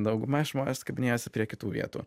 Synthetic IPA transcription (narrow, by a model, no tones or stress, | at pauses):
d̪ɐʊɡʊmɐʒmoːnʲɛskɐbʲɪnʲeːjoːsʲɪpʲɾʲiɛkʲɪt̪uːʋʲḭɛt̪ṵː